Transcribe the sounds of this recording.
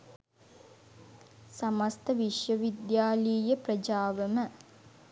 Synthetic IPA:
sɐmɐst̪ɐʋiʂjɐʋid̪jaːliːjɐprɐd͡ʒaːʋɐmə

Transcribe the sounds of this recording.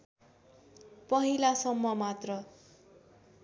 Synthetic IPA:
pʌɦilasʌmːʌmat̪rʌ

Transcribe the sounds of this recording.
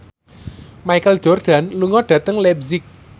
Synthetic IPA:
maikəld̥ʒ̥ɔ̤rɖ̥a̤nluŋɔɖ̥ä̤t̪əŋlɛbzɪk̚

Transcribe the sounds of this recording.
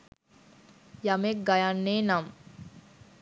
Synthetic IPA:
jamek̚ɡajanːeːnam

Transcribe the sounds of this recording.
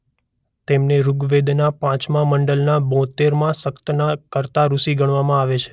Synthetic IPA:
t̪emneɾuɡʋed̪napãt͡ʃmãməɳɖəlnabɔ̃t̪eɾmãsəkt̪ənakəɾt̪aɾusiɡəɽ̃ʋamãaʋet͡ʃʰe̥

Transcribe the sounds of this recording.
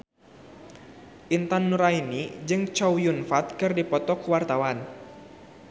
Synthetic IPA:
ʔint̪anːuɾainid͡ʒɨŋt͡ʃɔwjunfat̪̚kɨrdipɔt̪ɔkuwart̪awan

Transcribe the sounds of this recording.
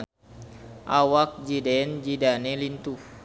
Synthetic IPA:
ʔawak̚d͡ʒidɛnd͡ʒidanelint̪u

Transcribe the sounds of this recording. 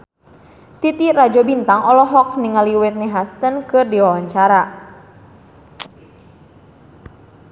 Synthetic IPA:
t̪it̪irad͡ʒɔbint̪aŋɔlɔɦɔk̚niŋaliwɛt̪̚niɦast̪ənkɨrdiwawaɲt͡ʃaɾa

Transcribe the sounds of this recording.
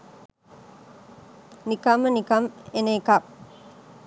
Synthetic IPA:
nikamənikɐmeneːkak

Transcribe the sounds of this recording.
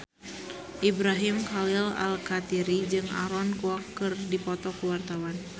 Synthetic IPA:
ʔibɾaɦimkalila̰lkat̪iɾid͡ʒɨŋa̰ɾɔnkuakːɨrdipɔt̪ɔkuwart̪awan

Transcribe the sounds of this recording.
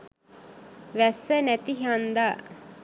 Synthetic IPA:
ʋæsːənæt̪iɦand̪a

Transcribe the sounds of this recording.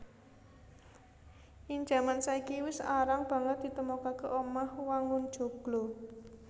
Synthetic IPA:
iɲd͡ʒa̤mansaikiwɪsaɾaŋb̥ä̤ŋət̪̚d̪̥i̤t̪əmokakeʔɔmahwaŋʊnd̥ʒ̥o̤ɡ̥lo

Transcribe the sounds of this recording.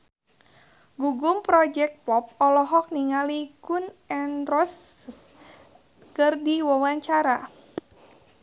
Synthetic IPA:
ɡuɡumpɾɔd͡ʒɛk̚t̪̚pɔp̚ɔlɔɦɔk̚niŋalikunɛnrɔs | kɨrdiwawaɲt͡ʃaɾa

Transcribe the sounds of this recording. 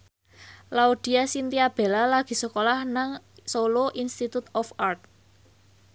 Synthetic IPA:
laud̪̥i̤asint̪iab̥e̤lalaɡ̥i̤səkolahnaŋsoloʔinst̪it̪ut̪ɔfart̪̚

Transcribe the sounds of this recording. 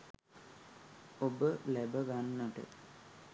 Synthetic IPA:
obəlebəɡanːəʈə̰

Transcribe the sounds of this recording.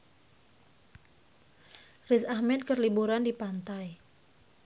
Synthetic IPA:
risahmɛt̪̚kərlibuɾandipant̪aj

